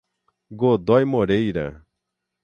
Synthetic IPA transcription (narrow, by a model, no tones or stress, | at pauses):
ɡod̪ɔjmoɾejɾɐ̰